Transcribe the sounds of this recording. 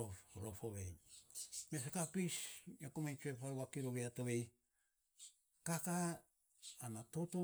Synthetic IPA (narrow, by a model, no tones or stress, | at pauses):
ofɾofoβej | mes̬akapisakomajt͡ʃuepawakiɾoβeatoβe̞j | kakaː | natoto